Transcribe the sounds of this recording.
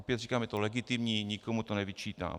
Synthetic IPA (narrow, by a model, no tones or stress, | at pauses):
piasikamɛt̪ɔlɛɡit̪imɲiɲikəmut̪ɔnavit͡ʃit̪a̰